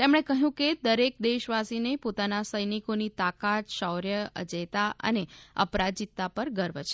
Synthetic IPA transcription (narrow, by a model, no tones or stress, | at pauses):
t̪emɽ̃ekəɦjũked̪əɾek̚d̪eʃʋasinepot̪anasəjnikonit̪akat̪ʃəwɾjəə̰d͡ʒəjt̪aə̰neə̰pɾad͡ʒit̪ːapəɾɡəɾbt͡ʃʰe